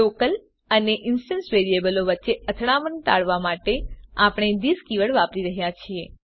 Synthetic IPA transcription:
okəl | əneʔɪnsʈənsʋeɾiebəloʋətːʃeət̪ʰɽ̃amənt̪a̰ɭʋamaʈeapɳ̃ed̪iskiʋəɭʋapɾiɾəɦjat͡ʃʰie

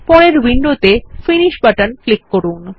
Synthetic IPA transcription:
pɔɽeɾwiɳɖot̪efiniʃbaʈanflikːoɾun

